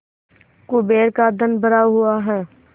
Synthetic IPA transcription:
kʊbeːɾkad̪ənbəɾaːɦʊaɦɛː

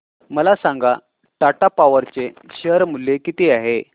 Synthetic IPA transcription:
məlasãŋɡa | ʈaʈapaʋəɾt͡seɕəɦɾmulːekit̪iaɦe

